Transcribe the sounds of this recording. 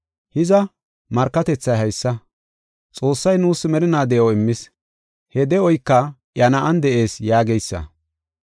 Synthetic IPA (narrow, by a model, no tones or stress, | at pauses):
hɪzɐ | mɐɾkːɐt̪ɛt͡sːɐjɦɐjsːɐ | t͡sʼo̞ːsːɐjnuːsːmɛɾɪnaːd̪ɛjowɪmːɪs | hɛd̪ɛɔjkːɐʔjɐnɐʔɐnd̪ɛʔe̞ːsjaːɡɛjsːɐ̰